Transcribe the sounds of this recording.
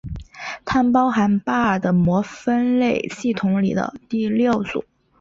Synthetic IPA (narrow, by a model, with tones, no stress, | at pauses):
t̪ʰa˥˩npɑ˥ʊxa˧˥npa˥˩d̪ə˩mwɔ˧˥fə˥nle˥˩ɪɕi˥˩t̪ʰʊ˧˥ŋlḭ˨˩d̪ə̰˦t̪i˥˧ljo˥˩ʊt͡sṵ˨˩˦